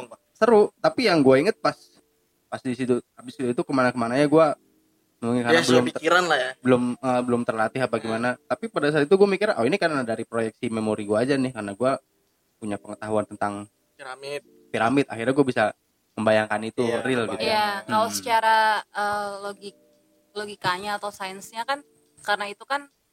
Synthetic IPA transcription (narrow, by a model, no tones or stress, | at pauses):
səɾut̪apijaŋɡuaiŋət̪̚pas | pasdisit̪uabɪsit̪uit̪ukəmanakəmanaɲaɡua | əmuŋkaasbəlmpikiɾanlahjabəlʊməbəlʊmt̪ərlat̪ɪɦabaɡimanat̪apipadas̬at̪it̪̬uɡuamikiɾanʔoinikarnadaɾipɾojɛk̚simemoɾiɡuaːd͡ʒanɪhkarnaɡua | puɲapəŋət̪aɦuant̪ənt̪aŋ | piɾamɪt̪̚ | piɾamɪt̪a̰xirɲaɡuabisa | məmbajaŋkanit̪urɪlɡ̪it̪jakalasə̥t͡ʃaɾaəːloɡik̚ | loɡikaɲaːt̪awsajənsɲakan | karənait̪ukan